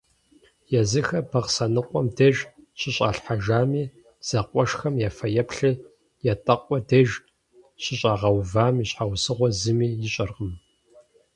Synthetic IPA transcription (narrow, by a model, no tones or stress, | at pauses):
jɛzɨxɐbɐqsɐnɨqʷʼɔmdeʒɕɪɕʼa̰ːɬħaʒaːmiː | z̥ɐqʷʼɔʂxɐmjaːfɐjɐpɬɨ | jatʼɐqʷʼɔdeʒ | ɕɪɕʼaːʁɐwvaːmiɕħawsɨʁʷɔzɨmiːjɪɕʼɐrʁəm